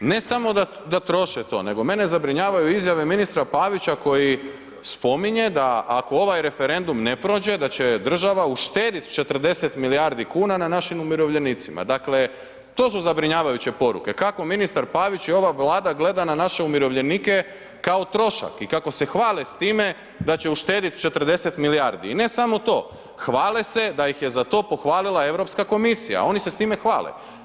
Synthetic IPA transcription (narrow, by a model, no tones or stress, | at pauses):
ne̞samo̞d̪a | d̪at̪ɾo̞ʃet̪o̞̰ne̞ɡo̞me̞ne̞zabɾiɲaːʋajuizjaʋe̞minist̪ɾapaːʋit͡ɕako̞ji | spo̞miɲe̞d̪aʔːko̞o̞ʋajɾe̞feɾe̞nd̪umne̞pɾo̞ːd͡ʑe̞d̪at͡ɕe̞d̪r̩ʒaʋauʃt̪eːd̪it̪t͡ʃet̪r̩d̪e̞set̪milijaɾd̪ikuːnananaʃimumiɾo̞ʋʎe̞nit̪sima̰d̪akle | t̪o̞ːs̬uzabɾiɲaːʋajut͡ɕe̞po̞ɾṵke̞kako̞minist̪aɾpaʋit͡ɕio̞ʋaʋlˠaːd̪aɡle̞d̪ananaʃeumiɾo̞ʋʎe̞nike̞ | kao̞t̪ɾo̞ʃa̰kikako̞se̞xʋaːlest̪iːme̞ | d̪at͡ɕe̞uʃt̪e̞ːd̪it̪t͡ʃe̞t̪r̩d̪e̞set̪miliaɾd̪ḭːne̞samo̞t̪o̞ː | xʋaːlese̞d̪ajixje̞zat̪o̞ːpo̞xʋaːlilˠae̞ʋɾo̞pskako̞misija̰o̞nise̞st̪ime̞xʋa̰ːlḛ